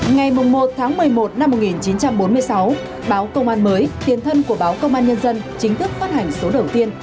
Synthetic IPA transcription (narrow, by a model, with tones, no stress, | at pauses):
ŋa˨˩jmʊ˨˩ŋ͡mːmo˨˩t̚t̪ʰaː˨˦ŋmɨ˨˩əjmo˨˩t̚na˧mːo˨˩t̚ŋi˨˩nt͡ɕi˨˦nt͡ɕa˧mɓo˨˦nmɨ˧əjsa˨˦w | ɓaː˨˦wkə˧wŋ͡mʔaː˧nməː˨˦jt̪i˨˩ənt̪ʰə˧nku˧˩əɓaː˨˦wkə˧wŋ͡mʔaː˧nɲə˧nzə˧nt͡ɕï˨˦ŋ̟t̪ʰɨ˦˥k̚faː˦˥t̚ha˨˩jŋ̟so˨˦ɗə˨˩wt̪i˧ən